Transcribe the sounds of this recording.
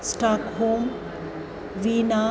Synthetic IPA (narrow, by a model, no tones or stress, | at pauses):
sʈaːkhoːm | ʋiːna